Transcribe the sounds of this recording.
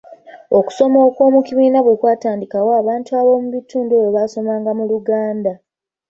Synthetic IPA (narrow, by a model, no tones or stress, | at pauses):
o̞ku̥so̞mo̞ːko̞ːmukiβiːnaβwe̞kwaːtaːndikawoaβaːntuaβo̞muβituːndeweβaːso̞maːŋɡamuluɡaːnda